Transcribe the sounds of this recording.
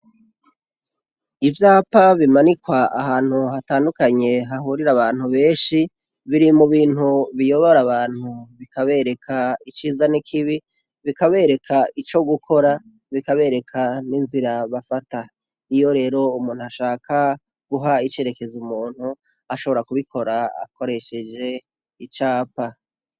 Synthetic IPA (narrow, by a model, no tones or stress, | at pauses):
ivjaːpaβimanikwaʔaɦaːn̥huhataːndukaɲe̞ɦahuːɾiɾaβaːn̥huβe̞ːnʃi | βiɾimuβiːn̥huβijo̞βoɾaβaːn̥huβikʰaβe̞ɾe̞kʰait͡ʃiːzanikʰiβi | βikaβe̞ːɾe̞kʰait͡ʃo̞ɡukʰo̞ɾa | βikaβe̞ːɾe̞kʰaninziɾaβafata | ijo̞ɾe̞ːɾo̞umuːnhuaʃaːkʰa | ɡ̥uɦait͡ʃe̞ɾe̞ke̞zumuːn̥hu | aʃo̞βo̞ɾakuβikʰo̞ɾaa̰kʰo̞ɾe̞ʃe̞d͡ʒe̞ | it͡ʃaːpa